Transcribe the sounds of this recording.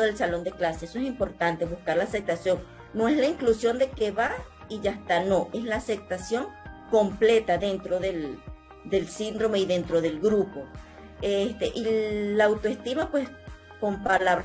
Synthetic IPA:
ðelsalo̞nd̪eklaseesoes̬impo̞ɾt̪ant̪eβuskaɾlaːsep̚t̪asjo̞ŋ | noeslaiŋklusjo̞nd̪ekeβa | iʝast̪ano̞ʔeslaːsep̚t̪asjo̞ŋko̞mplet̪aðent̪ɾoðel | d̪elsind̪ɾo̞meiðent̪ɾoðelɡɾupo | est̪eʔilːaːwt̪oest̪imapwes | kompalaβɾ

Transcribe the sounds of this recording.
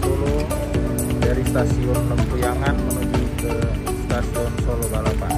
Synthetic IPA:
sulo | daɾist̪asiwɔrpəmpujaŋanmənuɡukə | st̪asansolobalapan

